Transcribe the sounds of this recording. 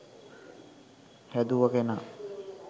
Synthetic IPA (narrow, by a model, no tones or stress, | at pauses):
hæd̪uʋəkena